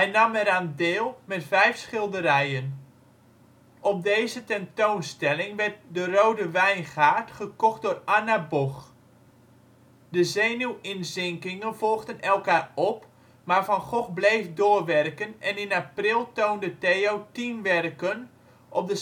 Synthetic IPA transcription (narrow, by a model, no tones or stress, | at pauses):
hɛjnɑmɛɾaːndɪːlˠmɛtfɛjfsχɪlˠdəɾɛjən | ɔp̚dejzətɛntoːnstɛlɪŋʋɛrt̚dərowdəʋɛjnχaːrtχəkɔχt̚dʊːranabɔx | dəzeːnuwɪnzɪŋkɪŋənvɔlˠɣdənɛlˠkaːrɔp | maːrfɔnχɔχblejfdoːrʋɛrkənɛnɪnaprɪlˠtoːndəteːowtinʋɛrkən | ʔɔp̚də